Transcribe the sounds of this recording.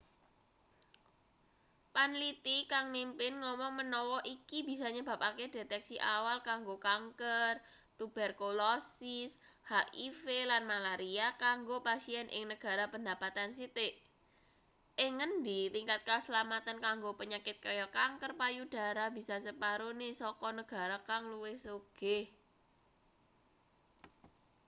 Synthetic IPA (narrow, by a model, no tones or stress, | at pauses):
panlit̪ikaŋmimpɪnŋɔmɔŋmənɔwɔʔikibi̤saɲəba̤p̚aked̥e̤t̪ɛksiʔawalkaŋɡokaŋkər | t̪ub̥ɛrkolɔsishaʔifelanmalaɾiakaŋɡopasiɛnʔɪ̰ŋnəɡ̥a̤ɾapənd̪a̤pat̪ansit̪eʔ | ʔɪŋːənd̪it̪iŋkat̪̚kasəlamat̪ənkaŋɡopəɲakɪt̪̚kajɔkaŋkərpajud̥a̤ɾab̥i̤sasəpaɾonesɔkɔnəɡ̥a̤ɾakaŋluwɪhsoɡ̥eh